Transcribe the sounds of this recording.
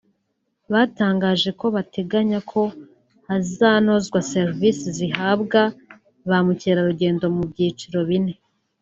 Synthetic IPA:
βaːtaːŋɡaːʒe̞ko̞βatʰe̞ɡaɲakʰo̞ | azaːno̞zɡwaseɾvisiziɦaːbɡa | βamuceːɾaɾuɟe̞ːndo̞mubɟiːt͡ʃiɾo̞βine̞

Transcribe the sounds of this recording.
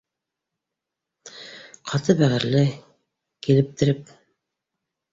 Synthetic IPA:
qʰɑt̪ɤbæʁɘ̆ɾlɘ | kilɘ̆p̚t̪ɘ̆ɾɘp̚

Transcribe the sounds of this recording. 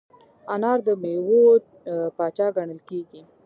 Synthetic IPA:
ɑnɑɾd̪əmewo | pɑt͡ʃɑɡaɳəlkeɡi

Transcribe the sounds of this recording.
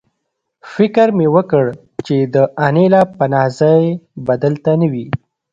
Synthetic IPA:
fɪkɾmewəkəɽ | t͡ʃed̪əʔanelɑpanɑzajbad̪əlt̪anawi

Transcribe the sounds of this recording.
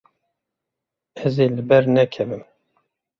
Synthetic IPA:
ɛzeːlɨbɛɾnɛkʰɛvɨm

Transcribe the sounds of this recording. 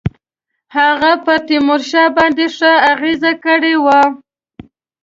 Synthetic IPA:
haɣapət̪imʊɾʃɑbɑnd̪eʂəaɣezakəɽewa

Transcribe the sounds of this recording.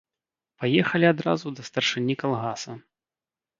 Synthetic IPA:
pajɛxɐlʲiad̪ɾa̰zud̪ɐst̪ɐrʂɨnʲːikalˠɣasɐ

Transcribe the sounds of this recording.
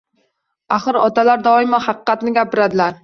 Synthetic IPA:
aχɨɾɒt̪ʰalaɾd̪ɒɪmahɑqɨqːɑt̪nɪɡʲapɪɾad̪ɪlaɾ

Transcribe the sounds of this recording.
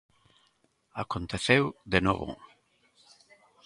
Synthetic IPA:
akont̪eθewd̪eno̰βo̰

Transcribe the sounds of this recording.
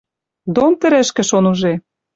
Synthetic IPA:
d̪omt̪ə̆ɾə̆ʃkɘ̆ʃonuʒe

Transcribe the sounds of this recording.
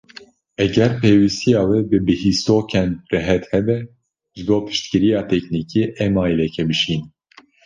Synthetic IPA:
ɛɡɛɾpʰeːwist̪ijɑːwebɨbɨhist̪oːkʰɛnd̪rɛɦɛt̪hɛbɛ | ʒɨboːpʰɨ̥ʃt̪kɨɾijɑːt̪ʰɛkniːkʰiːʔɛmɑːjilɛkʰɛbɨʃin

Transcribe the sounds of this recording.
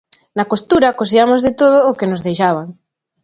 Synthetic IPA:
nakost̪uɾakos̬iamozðet̪oð̞oːkenozðejʃaβ̞aŋ

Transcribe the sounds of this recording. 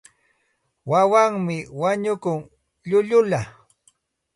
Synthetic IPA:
wawaŋmɪwaɲʊkʊŋ | ʎʊʎʊla

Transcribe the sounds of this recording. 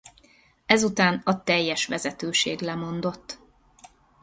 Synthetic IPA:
ɛzut̪aːnɒt̪ɛjːɛʃʋɛzɛt̪øːʃḛːɡlɛmo̞nd̪o̞t̪ː

